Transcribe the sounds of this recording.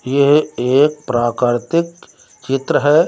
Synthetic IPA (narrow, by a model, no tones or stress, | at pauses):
jeɦeːk̚pɾaːkəɾt̪ɪk | t͡ʃɪt̪ɾəɦɛː